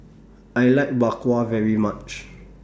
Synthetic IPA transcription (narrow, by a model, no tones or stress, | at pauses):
ajlaɪk̚bakwavɛɹimat͡ʃ